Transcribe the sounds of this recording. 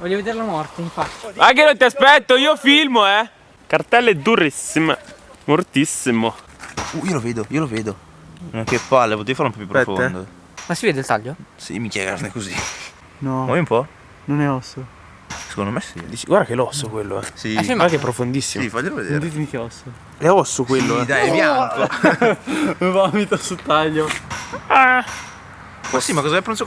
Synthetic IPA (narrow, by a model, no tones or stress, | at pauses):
vɔʎːoved̪eːɾelamɔrt̪eiɱfat̪ːi̥aŋk̬enot̪iaspɛt̪ːoiːofilmoɛ | kart̪ɛlːed̪uɾisːimemort̪isːimo | uiːoloveːd̪oiːoloveːd̪o | nnɛŋkːepːalːepot̪eːiofaɾloumpɔpjupːɾoɛfond̪o | masiveːd̪elt̪aʎːosḭmikjɛɡa̰snekozi | nɔmɔjumpɔ | nonɛɔsːo | se̥kond̪omesḭd̪iːt͡ʃiɡwaɾrd̪akelɔsːokwelːoɛ̰sifimaaŋkeɛpːɾofond̪isːimsivaʎːeloved̪eːɾd̪it̪̬emik̟eɔso | leɔsːokwelːoɛd̪ajmjaŋko | vavit̪asut̪aʎːo | a | masimakːɔzaɛapːɾonso